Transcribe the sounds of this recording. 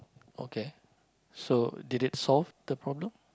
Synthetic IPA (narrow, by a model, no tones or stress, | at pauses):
o̰ke | sodidit̚sɔlvd̥əpɹɔblə̃m